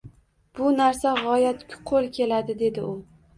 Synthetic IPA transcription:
b̥ʊnaɾsaʁɒjat̪kʲʰʊ̥qʰolˠkʲʰe̞lad̪ɪd̪e̞d̪ɪʊ

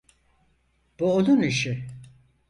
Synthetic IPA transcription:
b̥uod̪uniʃi

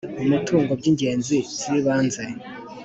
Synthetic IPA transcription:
umitʰuːŋɡob̚ɟiɲɟe̞ːnziz̥iβaːnze

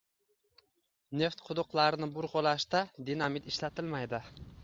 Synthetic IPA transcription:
neft̪qʰʊd̪ʊqlˠaɾɪnɪbʊɾʁolˠaʃt̪ad̪inamɪt̪ɪʃlat̪ʰɪlmajd̪ɪ

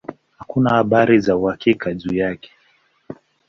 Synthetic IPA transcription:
hakunahaɓaɾizauhakikaʄuːjakɛ̥

